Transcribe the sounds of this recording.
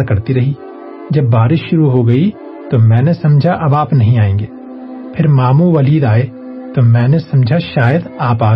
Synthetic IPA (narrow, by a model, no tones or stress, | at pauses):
ɾkɐɾt̪iɾɐɦi | d͡ʒɐbːaːɾɪʃʃʊɾuɦoɡɐi | t̪omɛ̃ːnesɐ̃md͡ʒʱaʔɐbaːpnɐɦĩaːẽːɡeː | pʰɪɾmaːmũʋɐliːd̪aːe | t̪omɛ̃ːnesɐ̃md͡ʒʱaʃaːjəd̪aːpaː